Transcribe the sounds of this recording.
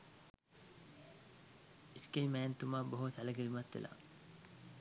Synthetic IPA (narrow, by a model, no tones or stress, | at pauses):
iskejmæːnt̪umaːboɦusaləɡiɾimat̪ʋḛlʔa̰